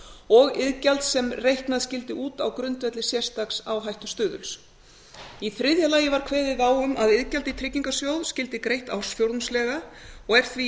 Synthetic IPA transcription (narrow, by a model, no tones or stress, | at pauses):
ɔɣɪðcalt̪sɛmrejhknaðscɪlt̪ɪʔuːt̪awkɾʏnt̪vɛt̪lɪsjɛrst̪aksawɦajht̪ʏst̪ʏːðʏ̰ls | iθɾɪðjalajɪvaɾ̥kʰvɛːðɪðaːwʏmaðɪðcalt̪ɪt̪ʰɾɪcːiŋkasjowðscɪlt̪ɪkɾejht̪a̰wsfjowɾðnslɛːɣaɔɣɛɾ̥θvi